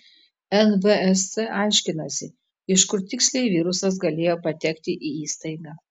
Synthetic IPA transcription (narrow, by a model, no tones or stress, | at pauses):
ɛnʋəɛssɛʔɑˑɪʃʲkʲɪnɐsʲɪ | ɪʃkʊɾt̪ʲɪksʲlʲɛɪʋʲiːɾʊsɐs̬ɡɐlʲeːjoːpɐt̪ʲɛkt̪ʲɪʔiiːst̪ɐɪɡɑː